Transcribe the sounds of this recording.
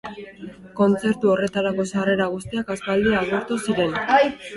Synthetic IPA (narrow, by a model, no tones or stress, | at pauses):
ko̞nt͡se̞ɾt̪uo̞re̞t̪aɾako̞sare̞ɾaɣust̪iakaspald̪iaɣuɾt̪usiɾe̞n